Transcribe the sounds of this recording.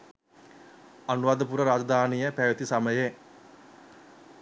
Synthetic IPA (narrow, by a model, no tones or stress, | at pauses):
anuʋaːd̪ɐpuɾəɾaːd͡ʒɐd̪aːnijəpæʋet̪isaməje